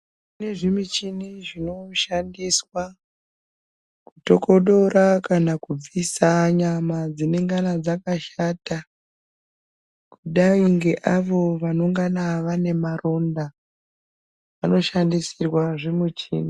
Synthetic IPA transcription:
une̞ʐimit͡ʃiniʐino̞ʃandiswa | kuto̞ko̞ɗo̞rakanakub͡visaɲamad͡zine̞ŋɡanad͡zakaʃata | kuɗaiŋɡe̞ʔaʋo̞ʋano̞ŋɡanaʋane̞maro̞nda | ʋano̞ʃandisirwaʐemut͡ʃḭːni

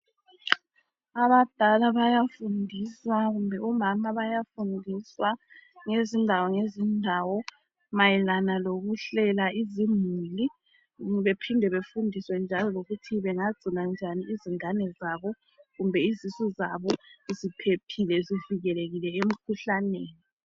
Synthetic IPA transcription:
aβad̥ʱalaβajafundʱiswaɣumbʱɛumamaβajafundʱiswaŋezindʱawɔŋezindʱawɔ | majɛlanaloɣuɬɛlaʔizimuli | βepʰindʱɛβefundʱiswɛnd͡ʒʱalɔloɣutʰiβɛŋaɡ͡ǀ̥ʱiland͡ʒʱaniiziŋanɛzaβɔ | ɣumbʱɛizisuzaβɔzipʰepʰilɛziviɣɛleɣilɛem̩kʰuɬaneːni

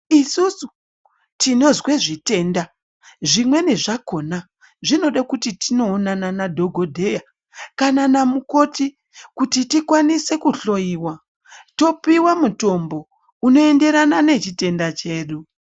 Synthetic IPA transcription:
isusu | tino̞zwe̞ʐite̞ːnda | ʐimwe̞ne̞ʐako̞na | ʐino̞ɗakutitino̞ːnananadʱo̞ɡʱo̞dʱe̞ja | kananamuko̞ti | kutitikwanise̞kuɬo̞jiwa | to̞piwamuto̞mbo̞ | uno̞e̞nde̞ɾanane̞t͡ʃite̞ndat͡ʃe̞ːɗu

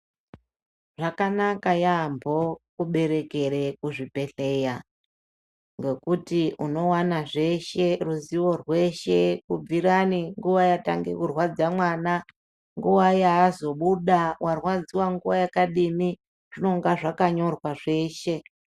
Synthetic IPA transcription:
ʐakanakajambʱo̞kuɓe̞ɾe̞ke̞ɾe̞kuʐipe̞ɬe̞ja | ŋɡe̞kutiuno̞wanaʐe̞ʃe̞ruziwo̞rwe̞ʃe̞kub͡viɾaniŋɡuʋajata̰ŋɡḛkurwad͡zamwana | ŋɡuwajaːzo̞ɓuɗawʔarwad͡ziwaŋɡuwajakaɗimi | ʐ̥ino̞ŋɡaʐakaɲo̞rwaʐe̞ːʃe̞

